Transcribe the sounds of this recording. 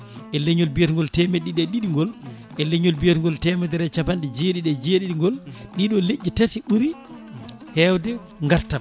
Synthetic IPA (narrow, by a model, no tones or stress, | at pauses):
ʔɛleɲɔlbijetŋɡɔltɛmeɗiɗɛɗiɗiŋɡɔl | ʔɛleɲɔlbijetŋɡɔltɛmɛdɛɾɛt͡ʃapanɗɛd͡ʒeɗiɗɛd͡ʒeɗiɗiŋɡɔlɗiɗɔled͡ʒːitatiɓuɾi | hɛwdɛ | ŋɡaɾta